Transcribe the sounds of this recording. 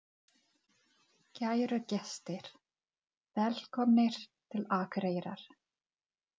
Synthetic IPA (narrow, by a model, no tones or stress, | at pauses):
cajɾʏcɛst̪ɪɾ̥ | vɛl̥kʰɔmnɪɾ̥t̪ʰɪlaːkɾeːjɾa̰ɾ̥